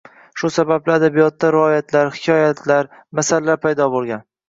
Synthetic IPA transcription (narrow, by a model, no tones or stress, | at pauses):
ʃʊsabablɪad̪abijɒt̪ːaɾɪɒjat̪ʰlaɾhɪkʲʰɒjat̪ʰlaɾmasalalaɾpʰajd̪ɒbolˠɡʲan